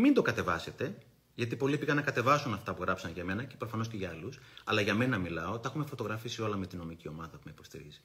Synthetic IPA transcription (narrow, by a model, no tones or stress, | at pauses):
mind̪o̞kɐt̪e̞vɐse̞t̪e̞ | ʝɐt̪̬ipo̞liepiɣɐnːɐkɐt̪e̞vɐsunɐft̪ɐpuɣɾɐpsɐnʝɐme̞nɐcepɾo̞fɐno̞sce̞ʝɐɐlusɐlɐʝɐme̞nɐmilɐo̞t̪ɐexume̞fo̞t̪o̞ɣɾɐfisio̞lɐme̞t̪ino̞micio̞mɐðɐpumeipo̞st̪ḭɾḭzi̥